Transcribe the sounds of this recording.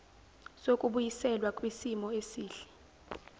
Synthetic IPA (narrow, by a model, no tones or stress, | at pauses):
sokʼuɓujisɛlwakʼwisimɔesiːɬɛ̥